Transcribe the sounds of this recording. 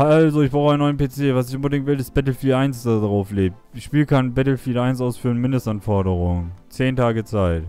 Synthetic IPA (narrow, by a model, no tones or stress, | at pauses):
ʔalzoɪçb̥ʁaʊxaɪnɔʏənpeːt͡seːvas̬ɪçʔʊnbədɪŋtv̥ɪlɪst̚b̥ɛtl̩fiːʔaɪnsd̥adaʁaʊfleːp̚ | ʃpiːlkʰanbɛtl̩fiːtʔaɪnsʔaʊsfyːənmɪndəstʔanfɔɐɾəʁʊŋt͡seːntʰaːɡət͡saɪt